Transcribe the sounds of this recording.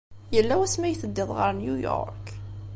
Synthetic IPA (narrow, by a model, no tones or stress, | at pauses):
jəlːæwæsmæjθəd̪ːɪðˤʁəɾnjujɔ̰ɾk